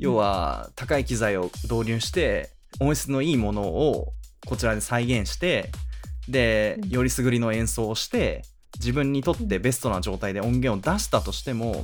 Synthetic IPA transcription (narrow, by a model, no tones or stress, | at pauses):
jo̞ːβa̰t̪akaikʲizaio̞d̪o̞ːɾʲɨ̟ːɕi̥t̪e̞ | õ̞ɰ̃ɕi̥t͡sɨno̞iːmo̞no̞̰ːko̞t͡ɕiɾad̪e̞saiɡẽ̞ɰ̃ɕi̥t̪e̞ | d̪e̞jo̞ɾʲisɨɡɯ̟ɾʲino̞ẽ̞ɰ̃so̞ːɕi̥t̪e̞ | d͡ʑibɯ̟̃ɲ̟ːit̪o̞t̪ːe̞be̞sɨ̥t̪o̞naʑo̞ːt̪aid̪e̞õ̞ŋɡẽ̞ɰ̃o̞d̪aɕi̥t̪at̪o̞ɕi̥t̪e̞mo̞̰